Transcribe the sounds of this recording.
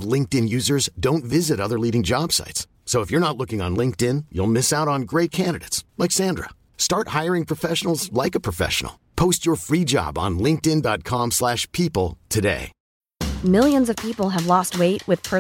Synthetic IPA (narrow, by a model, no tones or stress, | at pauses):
vlɪ̃ŋk̚tɨ̃njʉzə˞zdõʊ̃ntvɪzɨɾʌðə˞liɾɪ̃ŋd͡ʒɑb̥sa̰ɪts | soʊəfjə˞nətˡlʊkɪ̃ŋə̰̃nlɪ̃ŋk̚tɪ̃njṵlˠmɪsaʊɾn̩ɡɹeɪt̚kʰæ̃ndɨɾeɪtslaksæ̃ndɹə̰ | stɑɹt̚haɪə˞ɪ̃ŋpʰɹ̥əfɛʃn̩l̩ˠzlaɪkəpʰɹ̥əfɛ̰ʃn̩̰l̩ˠpʰoʊst͡ʃə˞fɹid͡ʒɑ̰bn̩lɪ̃ŋk̚tɨ̃ndɑt̚kʰɑ̃mslæʃpʰipl̩ˠtʰɨdḛɪ | mɪlˠjɨ̃nzʌv̥pʰipl̩ˠɨvlɔst̚weɪʔ̚wɨð̥pʰə